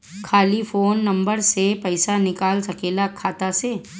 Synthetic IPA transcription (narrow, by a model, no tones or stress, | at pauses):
kʰaːlifoːnːɐ̃mbəɾsepɐɪsanɪkaːlsɐkeːlakʰaːt̪aseː